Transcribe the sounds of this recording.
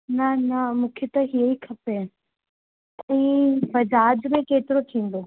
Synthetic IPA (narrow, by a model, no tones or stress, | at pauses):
nɐnɐmũːkʰet̪ɐɦijikʰɐpe | ɛ̃fɐd͡ʑaːd͡ʑmẽkeːt̪ɪɾot̪ʰĩːn̆d̪o